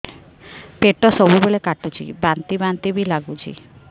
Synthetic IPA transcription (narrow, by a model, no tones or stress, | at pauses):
peʈɔsɔbubeɭekaʈut͡ʃʰḭbant̪ibant̪ibʱilaɡut͡ʃʰḭ